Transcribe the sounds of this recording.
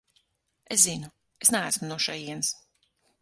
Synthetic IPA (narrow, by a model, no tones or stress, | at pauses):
ḛszinu | esnææsmnuɔʃɛjiɛns